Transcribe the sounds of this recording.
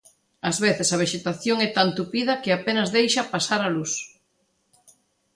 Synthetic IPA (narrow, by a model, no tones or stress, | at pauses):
ɐzβeθɪsɐβ̞eʃet̪aθjoŋɛt̪ant̪upið̞ɐkɪapenɐzðejʃɐpasaɾalus